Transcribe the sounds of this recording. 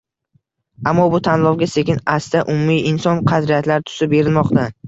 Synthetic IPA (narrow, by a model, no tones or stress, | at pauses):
amːɒbʊt̪ʰanlˠɒwɡʲase̞kʲɪnast̪aʔʊmʊmiɪnsɒnqʰɑd̪ɾijat̪laɾt̪ʰʊ̥sɪp̚be̞ɾɪlmɒqt̪a